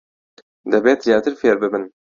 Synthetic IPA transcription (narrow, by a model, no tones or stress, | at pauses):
d̪ɛbeːt̪jɑːt̪ʰɨɾfeːɾbɨbɨn